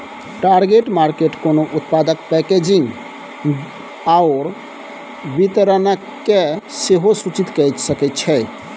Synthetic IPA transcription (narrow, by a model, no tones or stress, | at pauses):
ʈaɾɡeʈmaɾkeʈkonoʔut̪pad̪əkpɛked͡ʒiŋɡ | aʊɾ | bit̪əɾənak | eseɦosut͡ʃit̪kəjt̪səkɛt̪̚t͡ʃʰɛ